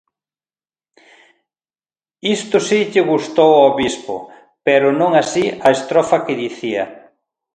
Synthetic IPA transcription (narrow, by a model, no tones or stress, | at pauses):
ist̪ʊsiʎɪɣust̪owoβispʊ̰ | pɛɾʊnõŋasiɐest̪ɾɔfɐkɪðiθiɐ